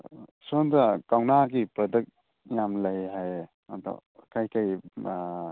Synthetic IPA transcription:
sondakawnaɡipɐdɯk̚ | jamlajɦaj | anta̰kʰajkaj

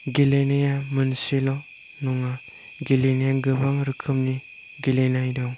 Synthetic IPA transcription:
ɡilenejamɯnsilɔ | nɔŋa | ɡilenejaɡɯbaŋɾɯkʰɯmni | ɡilenajdɔŋ

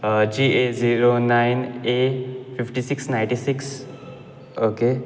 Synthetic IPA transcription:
d͡ʑiʔeziɾonainefifʈisiksnaj̃ʈisiks | oke

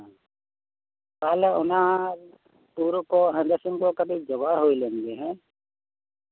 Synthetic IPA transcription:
kaːlʊnã | puːɾkoɦə̃nd̪əsɪ̃ŋkokəbʱid͡ʒɐbaɦoːilẽːnd̪eɦɛ̃ː

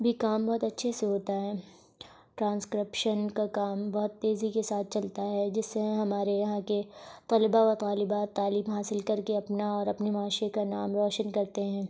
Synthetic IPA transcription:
bʱikaːmbɔɦt̪ɐtːʃʰeseɦoːt̪aɦɛː | ʈɾãːnskɾɪpʃənkakaːmbɔɦʊt̪ːeːzikesaːt̪̚ʰt͡ʃɐlt̪aɦɛd͡ʒɪsːẽɦɐmaːɾejɐɦãket̪ɐlbaat̪aːlɪbaːt̪ːaːliːmɦaːsɪlkɐɾkeɐpnaɔːɾɐpnemaːʃekanaːmɾɔːʃənkɐɾt̪eɦɛ̃ː

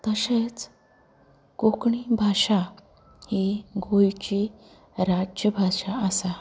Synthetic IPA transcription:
t̪əɕet͡s | kokɳibʱaʂa | heɡojt͡ɕi | ɾad͡ʑjəbʱaʂaəsa

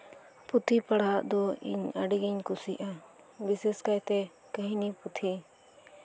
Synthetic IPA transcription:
pʊt̪ʰiːpəɽaːd̪oːḭɲəɖiɡiɲkʊsiːʔa | bɪseskəit̪eː | kəɦĩːniːpʊt̪ʰiː

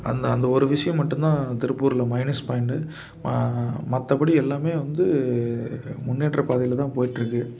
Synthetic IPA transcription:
ɐ̰nd̪ɐːnd̪ɐɔɾɯʋɪʂɐjɐ̃mːɐʈːɯnd̪ãːt̪ɪɾɯpːuːɾɪlɐmɐɪnɐspɐːɪɳɖɯ | mɐt̪ːɐpɐɽiɛlːaːmeːʋɐnd̪ɯ | mʊnːiːʈrɐpaːðɪjɪlɐt̪ãːpoːjɪʈːɾɯkːɯ

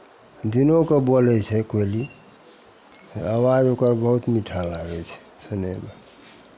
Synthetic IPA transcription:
d̪inokebolɛt͡ʃʰɛkoili | awad͡ʒokəɾbəɦut̪miʈʰalaɡɛt͡ʃʰɛ̥səneme

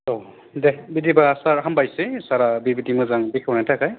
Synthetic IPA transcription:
o | dɛbidibasaɹɦambajsɛsaɹabibitimɔzaŋbikʰawnajtʰakaj

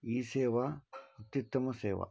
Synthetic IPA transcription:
iːseːʋaɐt̪it̪ːɐmɐseːʋa̰

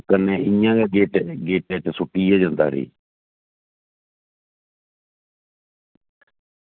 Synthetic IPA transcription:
kəneːɪjãːɡaːɡeːʈɡeːʈɛːt͡ʃsʊʈːiːjaːd͡ʒãːnd̪a̰ːɾḛː

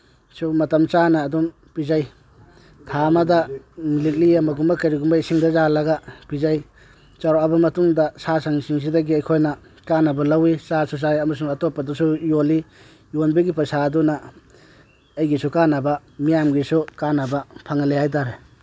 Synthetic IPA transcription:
sumɐtɐmt͡ʃanɐːdum | pizaj | tʰamɐdamilik̚liamɐɡumbɐkɐɾiɡumbasiŋdɐzalɐɡapizaj | t͡ʃaɾoabɐmɐtuŋdɐsasaŋsiŋs̬idɐɡiɐjkʰojnɐ | kanɐbɐlɐwit͡ʃasus̬ajɐmɐsuŋɐtopːɐdusujoli | jonbɐɡipasadunɐ | ɐjɡisukanɐbɐ | mijamɡisukanɐbɐpʰaŋalehajt̬aɾe

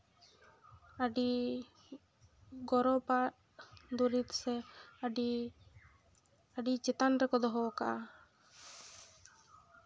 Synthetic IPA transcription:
aɖi | ɡɔɾɔpaʈ | d̪uɾit̪sɛ | aɖit͡ʃɛt̪anɾɛkɔd̪ɔɦɔkaʔa

